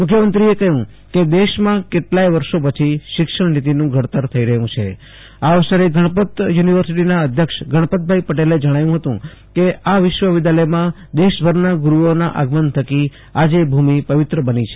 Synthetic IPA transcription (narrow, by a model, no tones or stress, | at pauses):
mʊkʰjəmənt̪ɾiekəɦjũ | ked̪eʃmãkeʈlajʋəɾʃopət͡ʃʰiʃɪkʃəɳnit̪̬inũɡʱəɽt̪əɾt̪ʰəiɾəɦjũt͡ʃʰḛ | aʋəʃəɾeɡʱəɽ̃pət̪juniʋəɾsiʈinaəd̪ʱjəkʃɡəɽ̃pət̪̚bʱaipəʈeled͡ʒəɽ̃ajũɦət̪ṵ̃ | keaʋɪʃʋəʋɪd̪aləjmã | d̪eʃbʱəɾnaɡuɾuona̰ʔa̰ɡmənt̪ʰəki | ad͡ʒebʱumipəʋɪt̪ɾəbənit͡ʃʰe